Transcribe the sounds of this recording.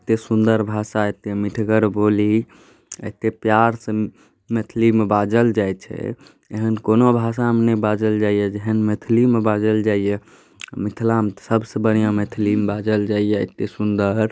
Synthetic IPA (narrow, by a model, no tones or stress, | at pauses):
ət̪esund̪əɾbʱasaet̪emiʈʰɡəɾboli | ə̰ɦt̪epjaɾsə | met̪ʰlimebad͡ʒəld͡ʒajt͡ʃʰɛ̰ | eɦənkonobʱasamnebad͡ʒəld͡ʒaijɛd͡ʒeɦənmet̪ʰlimebad͡ʒəld͡ʒaijɛ | mit̪ʰlamt̪səbsəbənijãmet̪ʰlimbad͡ʒəld͡ʒaijɛə̰t̪esund̪əɾ